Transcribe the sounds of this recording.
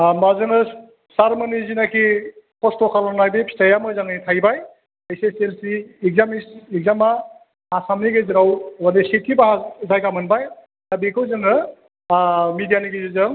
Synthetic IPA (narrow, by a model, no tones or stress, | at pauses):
mazɯŋɯ | saɾmɯnizinakʰikʰɔstɔkʰalanajbepʰi̥sajamɯzaŋnitʰajbaj | ajseselsiːkzamisiɡ̚zama | asamniɡezɯɾawbanisitʰːibaɦazajkamɯnbaj | tabikʰɯwzɯŋɯ | midijaniɡizɯzɯŋ